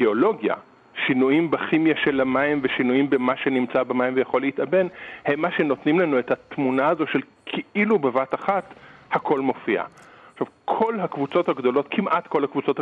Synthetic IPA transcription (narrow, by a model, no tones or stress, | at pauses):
eolo̞ɡja̰ | ʃinuimbaχimjaʃelhamaimveʃinuimbemaʃe̞nimt͡sabamajimvejaχo̞leitabe̞nhemːaʃe̞no̞tnimlanuethat̪munaazo̞ʃel | kʰiʔilubevataχathakʰo̞lmo̞fiʔa̰ʃavkʰo̞lɦakvut͡so̞thaɡdo̞lo̞tkʰimʔatko̞lhakvut͡so̞t